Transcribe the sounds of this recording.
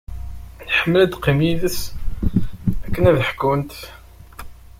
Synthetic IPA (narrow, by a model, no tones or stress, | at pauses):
nħəmːəlæd̪qːimjiðəs | ækːənæðəħkunt̪